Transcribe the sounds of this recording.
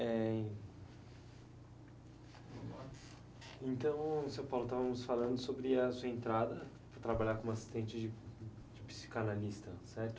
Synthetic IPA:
ɛ | ẽnt̪ɐ̃w̃sɐ̃w̃pawlʊt̪avɐmʊsfalɐ̃nd̪ʊsobɾɪɐsuɐẽnt̪ɾad̪ɐ | pɾɐt̪ɾabaʎaɾkõasi̥st̪ẽnt͡ʃɪd͡ʒɪ | d͡ʒɪpi̥si̥kanalist̪ɐsɛɾt̪ʊ

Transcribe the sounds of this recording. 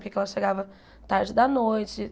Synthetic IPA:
kɛkɛlɐʃeɡavɐ | t̪aɾd͡ʒɪd̪ɐnojt͡ʃɪ

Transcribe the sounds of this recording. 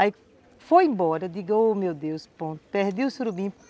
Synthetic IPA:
aj | fojẽmbɔɾɐd̪iɡɐomewd̪ewspõt̪peɾd̪ewusɾubĩ

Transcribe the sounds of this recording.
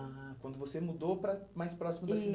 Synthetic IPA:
akwɐ̃nd̪ʊvosemud̪opɾɐmajspɾɔsimʊd̪ɐsid̪

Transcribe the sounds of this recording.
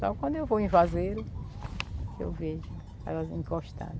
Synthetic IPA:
sɔ̰kwɐ̃d̪ʊewvoĩvazeɾʊ | ḛwveʒʊ | ɛ̰lɐzĩkoʃt̪ã̰d̃

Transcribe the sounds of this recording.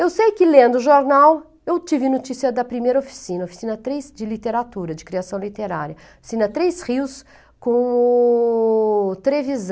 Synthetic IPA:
ewsejkɪlẽnd̪ʊʒoɾnaw | ewt͡ʃivɪnot͡ʃisiɐd̪ɐpɾimejɾɐofi̥sĩnɐofi̥sĩnɐt̪ɾejsd͡ʒɪlit̪eɾat̪uɾɐd͡ʒɪkɾiasɐ̃w̃lit̪eɾaɾjɐ | ofi̥sĩnɐt̪ɾejsʁiws | kõ | t̪ɾeviz

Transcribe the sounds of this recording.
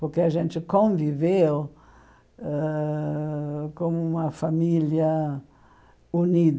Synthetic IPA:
poɾkeaʒẽnt͡ʃ̪ɪkõvivew | ɛ | kõmʊũmɐfamiljɐ | unid̪

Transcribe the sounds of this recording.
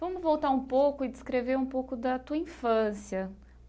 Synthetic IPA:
vɐ̃mʊzvowt̪aɾũpowkʊɪd͡ʒɪskɾeveɾũpowkʊd̪ɐt̪uɐĩfɐ̃sijɐ

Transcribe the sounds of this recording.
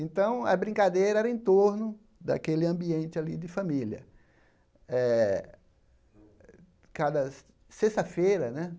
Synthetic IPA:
ẽt̪ɐ̃w̃ɐ̰bɾĩŋkad̪ejɾɐɛɾɐẽnt̪oɾnʊ | d̪a̰kelɪɐ̃mbiẽnt͡ʃɪalid̪ɪfɐ̃miliɐ̰ | ɛ | kad̪ɐ | seʃt̪ɐfejɾɐnɛ

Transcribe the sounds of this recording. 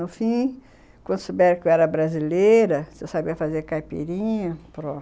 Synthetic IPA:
ʊfĩ | kwɐ̃nd̪ʊsobɛɾɐkowɛɾɐbɾazilejɾɐsesabiɐfazeɾkajpḛɾĩɲɐpɾõ

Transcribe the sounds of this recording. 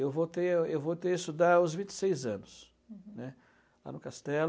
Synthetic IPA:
ewvot̪eewvowt̪eɪst̪ud̪aʊzvĩnt͡ʃ̪ɪ̥sejzɐ̃nʊs | nɛ | la̰nʊkast̪ɛl

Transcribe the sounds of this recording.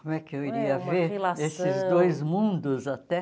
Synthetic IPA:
komʊɛkɪewiɾiɐveɾesɪzd̪ojzmũnd̪ʊzat̪ɛ

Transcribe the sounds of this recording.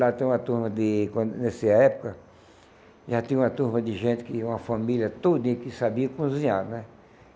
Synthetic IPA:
lat̪ẽũɐt̪uɾmɐd̪ɪkõnesiaɛpo̥kɐ | ʒat̪ĩũɐt̪uɾmɐd̪ɪʒẽnt̪ɪ̥kɪũɐfamiljɐt̪od̪ĩkɪsabiɐkũzĩɲaɾnɛ

